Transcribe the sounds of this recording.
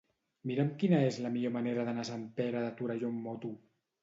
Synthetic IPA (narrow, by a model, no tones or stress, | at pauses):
miɾəmkinaezləmiʎomaneɾəðanasampeɾaðat̪uɾaʒomːot̪u